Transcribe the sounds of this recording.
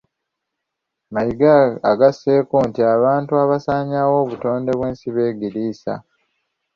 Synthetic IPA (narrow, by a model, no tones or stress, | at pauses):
majiɡaːɡase̞ːkontiaβaːntuaβasaːɲaːwo̞ːβuto̞ːnde̞βwe̞ːnsiβe̞ːɡiɾiːsa̰